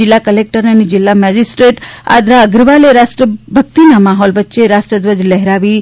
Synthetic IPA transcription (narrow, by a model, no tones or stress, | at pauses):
ɪlːakəlek̚ʈəɾənid͡ʒɪlːamɛd͡ʒisʈɾeʈa̰d̪ʱɾaəɡɾəʋaleɾasʈɾəbʱək̚t̪inamaɦɔlʋətːʃeɾasʈɾəd̪ʋəd͡ʒlɛɦɾaʋi